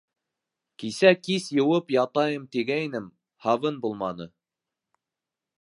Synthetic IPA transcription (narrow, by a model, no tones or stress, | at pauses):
kisækisjɤ̆wɤpjɑt̪ɑjɤmt̪iɡæinɘm | hɑβɤnbulˠmɑnɤ